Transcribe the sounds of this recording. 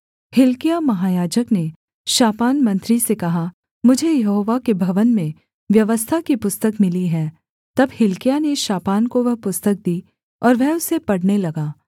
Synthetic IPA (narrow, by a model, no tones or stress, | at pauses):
hɪlkɪjamɐɦaːjaːd͡ʒəkne | ʃaːpaːnmɐ̃nt̪ɾisekɐɦa | mʊd͡ʒʱejɐɦoːʋakebʱɐʋənmẽ | ʋjɐʋəst̪ʰakipʊst̪əkmɪliɦɛː | t̪ɐbhɪlkɪjaneʃaːpaːnkoʋɛɦpʊst̪ək̚d̪iː | ɔːɾʋɛɦʊsepɐɽnelɐɡaː